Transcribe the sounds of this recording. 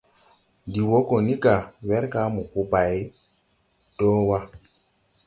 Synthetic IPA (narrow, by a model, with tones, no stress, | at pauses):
di˨wo˦ko˨ni˦ka˨we˦ɾka˦mu˨ku˦ba˨j | do˦wa˦